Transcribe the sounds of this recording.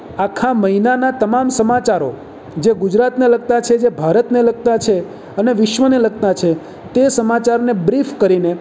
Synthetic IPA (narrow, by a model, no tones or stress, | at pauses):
akʰaməɦinanat̪əmamsəmat͡ʃaɾo | d͡ʒeɡud͡ʒɾat̪nelək̚t̪at͡ʃʰed͡ʒebʱaɾət̪nelək̚t̪at͡ʃʰe | əneʋɪʃʋənelək̚t̪at͡ʃʰe | t̪esəmat͡ʃaɾnebɾifkəɾine